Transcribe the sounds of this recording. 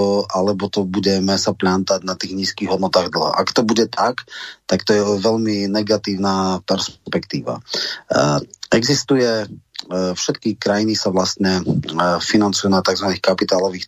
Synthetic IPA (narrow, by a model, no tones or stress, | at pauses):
alɛbɔt̪ɔbuɟɛmɛsapʎant̪aɟnat̪iːɣɲiːskiːɣɦɔd̪nɔt̪aːɣd̪lɛ̰ʔa̰kt̪ɔbuɟɛt̪akt̪akt̪ɔjɛʋɛʎminɛɡat̪iːʊnapɛɾspɛkt̪ḭːʋa̰ | ɛɡzist̪ujɛ | fʃɛt̪kikɾajinisaʋlast̪ɲɛfinant͡sujunat̪aɡzʋaniːxkapit̪aːlɔʋiːx